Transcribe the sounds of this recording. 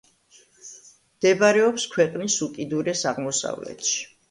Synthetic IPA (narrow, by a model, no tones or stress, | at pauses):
md̪̥ɛbaɾɛɔpskʰwɛqʼnisukʼid̪uɾɛsaʁmɔsa̰vlɛ̰t̪ʃi̥